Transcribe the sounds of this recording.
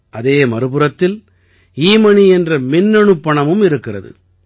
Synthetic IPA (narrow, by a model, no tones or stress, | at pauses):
ʔɐðeːmɐɾɯpɯɾɐt̪ːɪl | iːmɐɳiɛndrɐmɪnːɛɳɯpːɐɳɐmɯmɪɾɯkːɪrɐ̰ðɯ̰